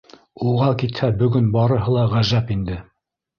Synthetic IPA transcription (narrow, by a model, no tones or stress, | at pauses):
uʁɑkit̪hæbɵ̆ɡɵnbɑɾɤ̆ɦɤlˠɑʁæʒæpind̪ɘ